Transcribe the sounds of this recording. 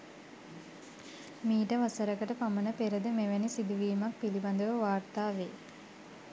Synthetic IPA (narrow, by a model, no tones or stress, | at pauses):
miːʈəʋasəɾəkəʈəpamənəpeɾəd̪əmeʋænisid̪uʋiːmak̚piliband̪əʋəʋaːrt̪aːʋeː